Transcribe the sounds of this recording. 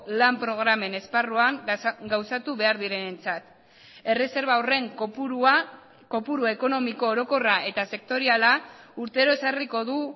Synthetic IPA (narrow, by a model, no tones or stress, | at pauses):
lampɾo̞ɣ̞ɾame̞ne̞sparuaŋɡawsat̪uβe̞aɾðiɾe̞ne̞nt͡sat̪ | e̞re̞se̞ɾβaore̞ŋ | ko̞puɾue̞ko̞no̞miko̞ːɾo̞ko̞raʔe̞t̪ase̞k̚t̪o̞ɾialauɾt̪e̞ɾo̞e̞sariko̞ðu